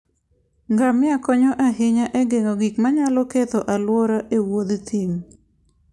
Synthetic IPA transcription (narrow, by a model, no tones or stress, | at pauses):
ŋɡamɪakɔɲɔʔaɦɪɲaʔɛɡeŋoɡikmaɲalɔket̪ɔʔalwɔɾaʔewod̪t̪iŋ